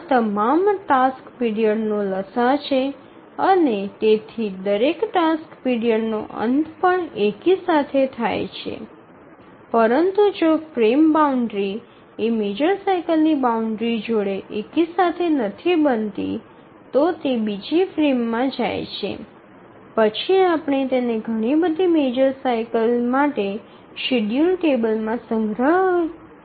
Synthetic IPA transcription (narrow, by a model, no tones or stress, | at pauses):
at̪əmamʈaskpiɽijəɽnõləsat͡ʃʰe | ənet̪et̪ʰid̪əɾekʈaskpiɽijəɖno̰ʔə̰nt̪pəɳekisat̪ʰet̪ʰajt͡ʃʰḛ | pəɾənt̪ud͡ʒofɾembauɳɖɾi | emed͡ʒəɾsajkəlnibauɳɖɾid͡ʒoɽeʔekisat̪ʰenət̪ʰibənt̪ḭ | t̪ot̪ebid͡ʒifɾemːãd͡ʒa̰jt͡ʃʰḛ | pət͡ʃʰiapɳ̃et̪eneɡʱəɽ̃ibəd̪ʱimed͡ʒəɾsajkəlmaʈe | ʃiɖjulʈebəlmãsəŋɡɾəɦ